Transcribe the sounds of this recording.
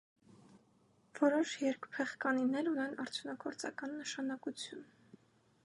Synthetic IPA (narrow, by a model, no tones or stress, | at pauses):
v̥ɔɾɔʃjɛɾkpʰɛχkɑninɛɾunɛnɑɾt͡sʰjunɑɡɔɾt͡sɑ̰kɑnːəʃɑnɑkut͡sʰjun